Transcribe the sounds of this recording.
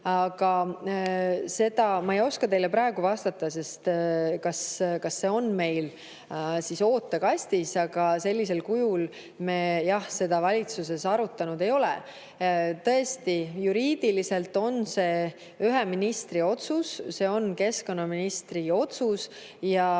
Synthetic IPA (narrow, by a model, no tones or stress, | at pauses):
ɑɡ̥ɑ | se̞d̪̥ɑmɑejo̞skɑt̪e̞jle̞pɾɑe̞ɡuvɑst̪ɑt̪ːˑɑse̞st̪kɑskɑsːe̞o̞nme̞jl | siso̞ːt̪ːˑekɑsʲt̪isɑɡ̥ɑse̞lʲːis̬e̞lkujul | mejɑhse̞d̪̥ɑvɑlʲit̪suse̞sɑɾut̪ːˑɑnud̪e̞jo̞lɛ̰ | t̪ɤ̞e̞st̪ijuɾiːd̪̥ilise̞lt̪ːˑo̞nse̞ː | yɦeminist̪rio̞t̪susse̞ːo̞nke̞sko̞nɑminist̪rio̞t̪sus | jɑ